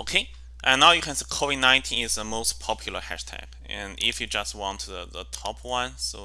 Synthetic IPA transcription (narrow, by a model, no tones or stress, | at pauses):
oʊkʰe | ʔãnːaʊjɨkʰɛ̃nsekʰovɪdⁿnãɪ̃ntʰĩnɪzðəmoʊspʰɔpʰjul̩ˠə˞hæ̰ʃtʰɛ̰ɡ | ɛ̃nɪ̰fjɨd͡ʒʌst̚wɔ̃ntʰðəðətʰɔpʰwʌ̃nsoʊ